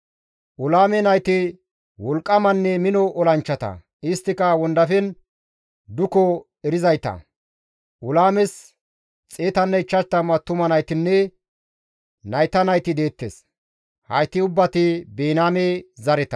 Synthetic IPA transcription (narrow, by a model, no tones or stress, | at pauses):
ʔʊlaːmɛnɐjt̪ɪ | wɔlkʼːɐmɐnːɛmɪnɔʔɔlɐnt͡ʃːɐt̪ɐ̰ | ɪst̪ːɪkɐwɔnd̪ɐfɛn | d̪ʊkɔ | ɛɾɪzɐjt̪ɐ̰ | ʔʊlaːmɛs | t͡sʼeːt̪ɐnːɛɪt͡ʃːɐt̪ːɐmɐt̪ːʊmɐnɐjt̪ɪnːɛ | nɐjt̪ɐnɐjt̪ɪd̪e̞ːt̪ːḛs | hɐ̰jt̪ːɪʊbːɐt̪ɪbeːnaːmezɐɾɛt̪ɐ̥